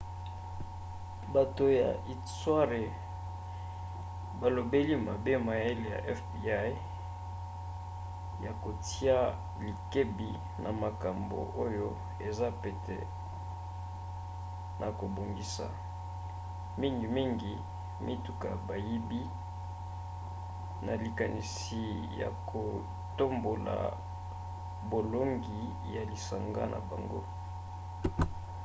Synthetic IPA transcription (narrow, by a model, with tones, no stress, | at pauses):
ba˨to˨ja̰˨i˨swa˦ʁe˨ | ba˨lo˨be˦li˦ma˨be˦ma˨je˦le˨ja̰˨ʔɛ˦fbi˨a˦j | ja˨ko˨ti˦a˦ | li˨ke˦bi˨ | na˨ma˨ka˨mbo̰˨ʔo˦jo˦ | e˨za˦pe˨tʰḛ˨ | nʔa˨ko˨bo˨ŋɡi˨sa̰˨ | mi˦ŋɡi˨mi˦ŋɡi˨ | mʔi˦tu˨ka˨ba˨ji˦bi˦ | na˨li˨ka˨ni˨s | i˨ja̰˨kʰo˨ | to˦mbo˨la̰˨ | bo˨lo˦ŋɡi˨ | ja˨li˨sa˨ŋɡa̰˦nʔa̰˨ba˨ŋɡo̰˦